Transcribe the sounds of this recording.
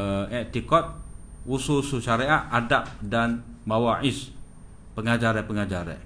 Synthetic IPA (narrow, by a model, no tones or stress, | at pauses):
ɛʔ̚t̪ikɔt̪̚wususuʃaɾeaʔadap̚danmawaʔɪs | pəŋad͡ʒaɾɛpəŋad͡ʒaɾɛ̰